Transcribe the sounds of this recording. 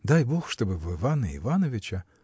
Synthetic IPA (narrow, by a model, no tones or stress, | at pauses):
d̪ajboxʂt̪obɨvɨvanɨḭvanɐvʲɪt͡ɕɐ